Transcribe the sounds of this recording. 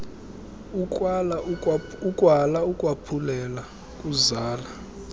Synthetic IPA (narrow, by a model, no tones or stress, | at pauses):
uwala | ukʼwalaukʼwapʰulɛla | kʼuzaːla